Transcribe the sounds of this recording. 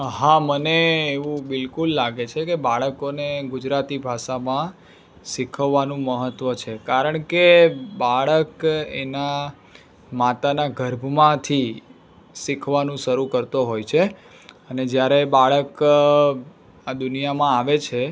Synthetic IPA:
ɦãməneːʋũbɪlkulːaɡet͡ʃʰekebaɭəkoneɡʊd͡ʒɾat̪ibʱaʃamã | sikʰəʋːanũməɦət̪ʋət͡ʃʰekaɾəɳ̃kebaɭəkḛna | mat̪anaɡʱəɾbʱəmãt̪ʰi | sikʰʋanũʃəɾukəɾt̪oɦojt͡ʃʰe | əned͡ʒjaɾebaɭək | ad̪ʊnijamãaʋet͡ʃʰe

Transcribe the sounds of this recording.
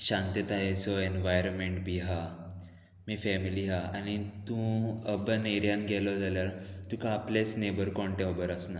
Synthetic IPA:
ɕãnt̪et̪aɦesɔenʋajɾonmeɳʈbʱiɦa | mifɛmiliɦaanit̪ũəbəneɾjãnɡɛlɔd͡zaljaɾt̪ũkãːplesnebəɾkɔɳʈẽəbəɾəsna

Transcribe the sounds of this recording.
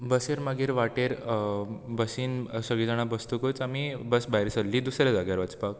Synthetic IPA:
bəseɾmaɡeɾʋaʈeɾ | bəsiːnsəɡɭid͡zaɽ̃abəst̪ukut͡samibəsbaɦjɾsəlliːd̪usɾjad͡zaɡjaɾʋat͡spak̚

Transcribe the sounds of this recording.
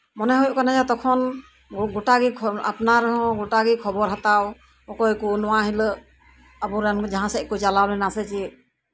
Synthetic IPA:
mɔnɛɦɔjʔkanad͡ʒat̪ɔkʰɔn | ɡɔʈaɡikʰɔa̰pnaɾɔɦɔ̃ɡɔʈaɡikʰɔbɔɾɦat̪aw | ɔkɔjkunɔwaɦilə | abɔɾɛnd͡ʒaɦãsɛkut͡ʃalablɛnasɛt͡ʃi

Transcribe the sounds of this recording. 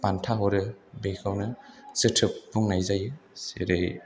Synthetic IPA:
pantʰaɦɔɾɯbejkʰawnɯsɯtʰɯpbuŋnajzajɯseɾej

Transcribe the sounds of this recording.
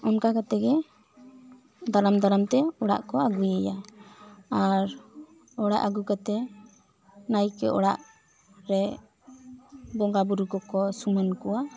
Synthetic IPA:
ɔnkakat̪ɛɡɛ | d̪aɾamd̪aɾamt̪ɛɔɽa̰ʔkɔaɡujɛja | aɾ | ɔɽa̰ʔaɡukat̪ɛ | najkɛ̰ʔɔ̰ɽa̰ʔ | ɾɛ | bɔŋɡabuɾukɔkɔsumankuwa

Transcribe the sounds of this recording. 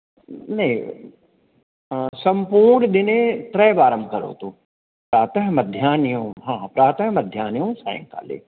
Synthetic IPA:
nɐɦĩ | sɐ̃mpuːɾɾnd̪ɪnẽt̪ɾɛːbaːɾəmbkɐɾo̰ːt̪oː | pɾaːt̪əɦmɐd̪ʱjaːnjõːɦãːpɾaːt̪əɦmɐd̪ʱjaːnijõːsã̰ːɪ̰̃ŋka̰ːlḛː

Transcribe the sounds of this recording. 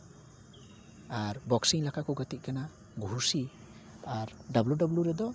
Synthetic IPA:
aɾbɔksiŋlakʰakʰɔwɡatit̚kana | ɡuɦusi | aɾdabludabluɾɛd̪ɔ

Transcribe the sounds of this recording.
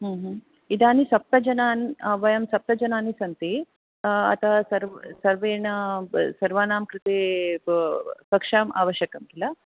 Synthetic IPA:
ɦuːɦ | id̪aːnisɐp̚t̪ɐd͡ʒɐnaːnʋɐjɐmsɐp̚t̪ɐd͡ʒɐnaːnisɐnt̪i | ɐ̰t̪ʰɐsɐɾsɐɾʋeːnɐsɐɾʋaːnaːmkɾit̪eː | kɐkʂaːmʔa̰ːʋɐʃjɐkɐmkilɐ

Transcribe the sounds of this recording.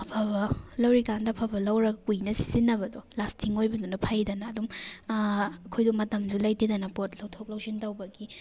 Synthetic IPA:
ɐpʰɐbɐlɐwɾikandɐpʰɐbɐlɐwɾɐɡɐkujnɐsi̥zinːɐbɐdɔlastʰiŋojbɐdunɐpʰɐjdɐnɐːdum | ɐkʰojdumɐtɐmd͡ʒulɐjtedɐnɐpot̚lɐwtʰok̚lɐwzintɐwbɐɡi

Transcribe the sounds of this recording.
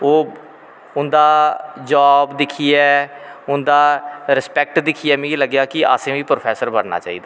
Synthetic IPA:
oː | ʊnd̪aːd͡ʒaːbd̪ɪkʰːiɛːʊnd̪aːɾɪspɛːk̚ʈd̪ɪkʰiɛːmɛ̃ɡiləɡjaːkɪa̰sẽːʋiːpɾoːpʰɛːsəɾbənna̰ːt͡ʃa̰ːḭːd̪aː

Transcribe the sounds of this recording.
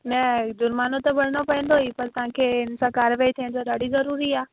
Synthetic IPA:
nɐd̪ʊɾmaːnot̪ɐbɐɽ̤ɽ̃opɐ̃ɦɪ̃nd̪oɦipɐɾt̪ɐʋ̤ãːkʰeɪnsãkaːɾʋaːit̪ʰĩnd̪odaːɽizɐɾuːɾiaː

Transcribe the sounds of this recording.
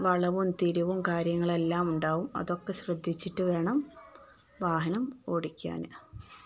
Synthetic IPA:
ʋɐɭɐʋumt̪iɾuʋumkaːɾjɐŋːɐɭe̞lːaːmuɳɖaːʋumɐ̰ðo̞kːe̞ɕrɨd̪ʱːit͡ɕːiʈːɨʋe̞ːɳɐm | ʋaːɦɐnɐmo̞ːɽikʲːa̰ːnɨ

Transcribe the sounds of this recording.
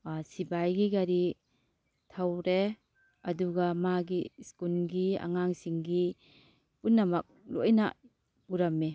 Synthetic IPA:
sibajɡiɡaɾi | tʰawɾe | ɐduɡamaɡiskulɡia̰ŋaŋsiŋɡi | punːɐmɐk̚lo̰jna̰ | puɾamːe

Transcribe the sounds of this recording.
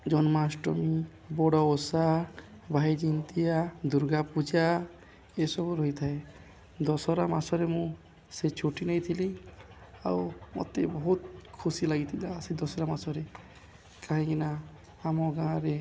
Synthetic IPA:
d͡ʒɔnmasʈɔmi | bɔɽɔosa | bʱajd͡ʒint̪ijad̪uɾɡapud͡ʒa | esɔbuɾɔɦjt̪ʰae | d̪ɔsɔɾamasɔɾemũ | set͡ʃʰoʈinajt̪ʰili | a̰wmɔ̰t̪ebɔɦut̪kʰusilaɡit̪ʰilasid̪ɔsɔɾamasɔɾe | kaɦĩkina | amɔɡãɾe

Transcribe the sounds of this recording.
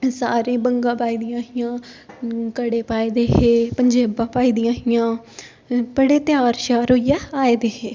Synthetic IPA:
saːɾẽːbəŋɡãːpaːiːd̪ijãːɦɪjãː | kəɽeːpaːeːd̪eːɦeːpəɲd͡ʒeːbãːpaːiːd̪ijãːɦɪjãː | bəɽeːt̪jaːɾʃaːɾoːijaːaːeːd̪eːɦeː

